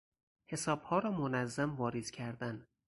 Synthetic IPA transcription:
he̞sɒːb̥hɒːɾɒːmonæzːæmvɒːɾez̥cʲʰæɾd̪æn

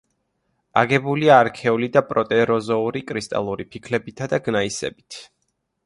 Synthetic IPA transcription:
aɡɛbuliaːɾkʰɛulid̪apʼɾɔt̪ʼɛɾɔzɔuɾikʼɾist̪ʼa̰lˠuɾipʰikʰlɛbit̪ʰad̪aɡnaisɛ̰bit̪ʰ

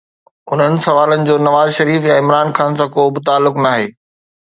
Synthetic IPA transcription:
ʊn̤ənɪ̆sɐʋaːlənɪ̆d͡ʑoːnɐʋaːzʃɐɾiːfjaɪmɾaːnxaːns̬ãːkoːbɪt̪aːlːʊknaːɦeː

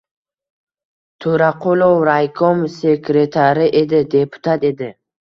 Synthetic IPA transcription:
t̪ʰɵɾaqʰolˠowɾajkʰomse̞kɾe̞t̪ʰaɾɪʔe̞d̪ɪd̪e̞pʰu̥t̪ʰat̪e̞d̪ɪ

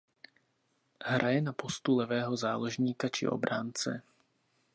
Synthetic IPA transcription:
ɦɾʔajɛnapɔst̪ulɛʋɛːɦɔzaːlɔʒɲiːkat͡ʃḭʔɔ̰bɾaːnt͡sɛ̰

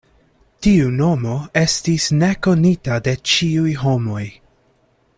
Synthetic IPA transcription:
tiuno̞mo̞e̞stisne̞ko̞nitade̞t͡ʃiujɦo̞mo̞j

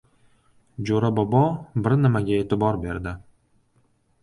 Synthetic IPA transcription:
d͡ʒoɾabɒbɒbɪɾnɪmaɡʲaet̪ɪbɒɾbe̞ɾd̪ɪ

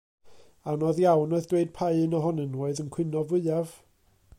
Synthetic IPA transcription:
anɔðjawnɔðd̥weɨd̥̚pʰaɨɨnɔɦɔnənwɛɨðənkʰw̥ɪnɔvʊɨav̥

